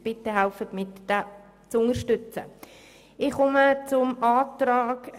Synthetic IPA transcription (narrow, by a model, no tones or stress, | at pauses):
b̥ɪtːəɦalfətmɪtd̥a | t͡sʊŋəɾʃtʏt͡sə̰ | ɪχʊmət͡sʊmɑːt̪ɾɑːɡ